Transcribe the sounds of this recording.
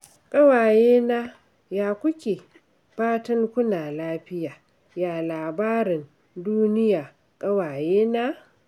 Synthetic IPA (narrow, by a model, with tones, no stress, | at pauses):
kʼɐ˦waː˨jeː˦naː˦ | jaː˨kʷʊ˦kʲeː˨ | ɸaː˦tɐ˦ŋkʷʊ˦naː˨laː˦ɸɪ˦jaː˨ | jaː˨laː˨baː˦ɾɪ˨n | duː˦nɪ˦jaː˨ | kʼɐ˦waː˨jeː˦naː˦